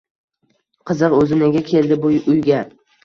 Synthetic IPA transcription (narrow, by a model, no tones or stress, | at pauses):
qʰɨzɨɾɵzɪnɪɡʲakʲʰe̞ld̪ɪbʊʊjɡʲa